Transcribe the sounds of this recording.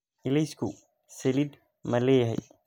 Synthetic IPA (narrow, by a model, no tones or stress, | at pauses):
ɪlɛskʰu | sɛlid̪ | mɐlɛːjɐɦɛ̰j